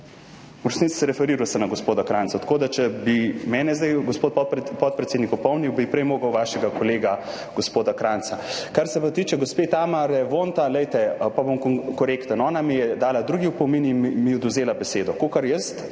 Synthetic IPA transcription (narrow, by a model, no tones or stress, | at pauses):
uɾsnit̪si̥sɛɾɛfɛɾiːɾujsɛmnaɡospoːd̪akɾant̪ɔt̪ḁkoːd̪at͡ʃɛbimɛːnɛzd̪ajɡospoːt̪pɔt̪̚pɾɛt̪seːd̪nikɔpɔwniwbipɾɛjmoːɡəwʋaːʃɛɡakoleːɡa | ɡ̥ospoːd̪akɾant̪sakaɾsɛpat̪iːt͡ʃɛɡospet̪amaɾɛʋont̪alɛjt̪ɛpabomkkoɾekt̪ənɔːnamijɛd̪aːlad̪ɾuɡiupɔminimiɔd̪uzeːlabɛseːd̪ɔkokɐɾjəst̪